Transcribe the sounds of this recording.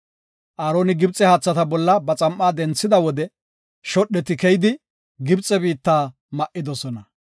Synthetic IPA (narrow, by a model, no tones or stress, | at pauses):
ʔaːɾo̞ːnɪɡɪbt͡sʼɛhaːt͡sːɐt̪ɐbɔlːɐbɐt͡sʼɐmʔːaːd̪ɛnt͡sːɪd̪ɐwɔd̪ɛ | ʃɔɗːɛt̪ɪkɛjɪd̪ɪ | ɡɪbt͡sʼːɛbiːt̪ːaː | mɐʔːɪd̪ɔsɔnɐ